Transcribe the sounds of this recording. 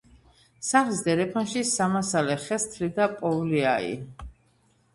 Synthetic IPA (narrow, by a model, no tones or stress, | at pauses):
saχlisd̪ɛɾɛpʰanʃisamasalɛχɛst̪ʰlid̪apʼɔvliaḭ